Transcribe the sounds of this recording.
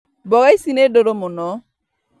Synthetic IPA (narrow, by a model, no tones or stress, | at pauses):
bɔɣaisinedoɾomʊnɔ